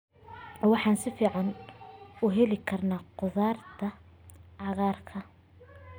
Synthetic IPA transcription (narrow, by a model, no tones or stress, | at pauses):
wɑħɑːnsɪfiːʕɑn | ʊɦɛlɪkʰɐrnaːqʊðaːrt̪ʰɐʕɑɣaːrkʰɐ